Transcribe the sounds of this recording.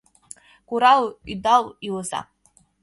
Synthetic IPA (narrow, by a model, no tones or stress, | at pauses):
kʷuɾalidalilza̰